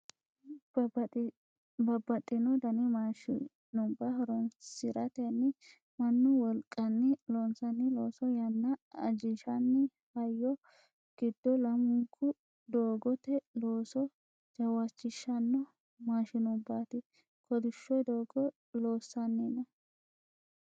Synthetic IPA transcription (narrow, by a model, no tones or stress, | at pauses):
bɐbːɐt̪ʼːɪnɔd̪ɐnɪmaʃɪ | nʊbːahɐɾɔnsɪɾɐt̪ɛnːɪ | mɐnːʊwɔlkʼːɐnːɪloːnsɐnːɪloːsɔjɐnːɐɐd͡ʒɪʃɐnːɪ | hɐjːɔ | ɡ̥ɪd̪ːɔlɐmʊŋkʰːʊ | d̪oːɡɔt̪ɛloːsɔ | d͡ʒɐwɐt͡ʃːɪʃːɐnːɔ | maːʃɪnʊbːaːt̪ɪ | kʰɔd̪ɪʃːɔjd̪oːɡɔ | lo̞ːsːɐnːɪnɐ